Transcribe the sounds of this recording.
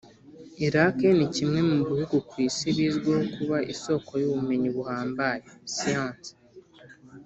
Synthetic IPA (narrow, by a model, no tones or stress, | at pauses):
eɾaːke̞nicimwe̞muβihuɡukwiːsiβizɡwoːkuβaʔiso̞ːkʰo̞joːβume̞ɲiβuhaːmbaːjesijaːnti̥